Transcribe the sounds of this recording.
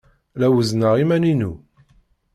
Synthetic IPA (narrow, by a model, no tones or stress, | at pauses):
læwəznəʁimæninṵ